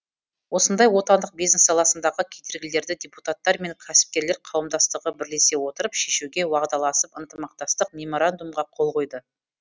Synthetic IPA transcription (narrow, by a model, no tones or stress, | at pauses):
wo̞sənd̪ɑjwo̞t̪ɑnd̪əq̚bijzne̞sːɑlˠɑsənd̪ɑʁəkʲʰejd̪eɾɡʲɪle̞ɾd̪ɪd̪ʲe̞put̪at̪ːɑɾme̞ŋkʲʰæsɪ̥p̚kʲe̞ɾle̞ɾqʰɑwəmd̪ɑst̪əʁəbɪɾle̞se̞wo̞t̪əɾəpʃe̞ʃuɡʲe̞wɑʁd̪ɑlˠɑsəpənt̪əmɑq̚t̪ɑst̪əq̚mʲe̞mo̞ɾand̪umʁɑqʰo̞lˠʁo̞jd̪ə